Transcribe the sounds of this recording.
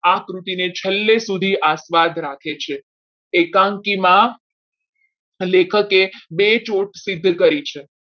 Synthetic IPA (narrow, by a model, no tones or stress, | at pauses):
akɾut̪inet͡ʃʰəlːesud̪ʱiʔasʋad̪ʱɾakʰet͡ʃʰe | ekãŋkimã | lekʰəkebet͡ʃoʈsɪd̪ʱːkəɾit͡ʃʰe